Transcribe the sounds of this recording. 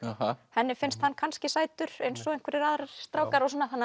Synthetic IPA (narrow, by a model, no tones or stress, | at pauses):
ahahɛnːɪfɪnst̪hanːkʰanscɪsaːjt̪ʏɾ̥ejnsɔejn̥kʰvɪɾɪɾaːðɾst̪ɾawkaɾɔsɔːnːaθanː